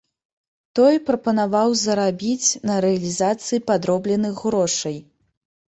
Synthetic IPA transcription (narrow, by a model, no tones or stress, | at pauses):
t̪ɔjpɾɐpɐnavawzɐɾabʲit͡sʲnɐɾɛɐlʲizat̪sɨipad̪ɾɔblʲɛnɨxɣɾɔʂɐj